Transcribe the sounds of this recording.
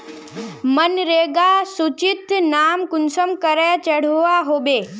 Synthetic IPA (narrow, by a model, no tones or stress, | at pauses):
mɐnɾeːɡasut͡ʃɪt̪naːmkʊnsəmkəɾɛt͡ʃɐɽ̤uaɦoːbeː